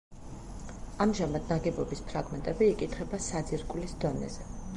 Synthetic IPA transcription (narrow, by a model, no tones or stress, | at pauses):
amʒamad̪̚naɡɛbɔbispʰɾaɡmɛnt̪ʼɛbiːkʼit̪ʰχɛbasad̪ziɾkʼlisd̪ɔnɛ̰zɛ